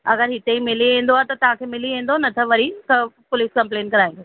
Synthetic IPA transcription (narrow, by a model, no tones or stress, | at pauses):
ɐɡəɾɦɪt̪eimɪliẽːn̆d̪oaːt̪ɐt̪ɐʋ̤ãkʰeːmɪliẽːn̆d̪onɐt̪ʰəʋɐɾitɐpʊliːskɐ̃mpleːnkɐɾaːĩnd̪o